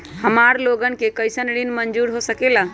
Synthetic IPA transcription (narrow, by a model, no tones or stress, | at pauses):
həmaɾloɡənkekəjsənɽinmənd͡ʒuɾɦosəkela